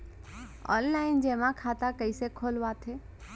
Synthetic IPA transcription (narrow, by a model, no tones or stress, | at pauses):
ɔ̰ːnlaɪnd͡ʒeːmãkʰaːt̪akəɪsekʰoːlʋat̪ʰeː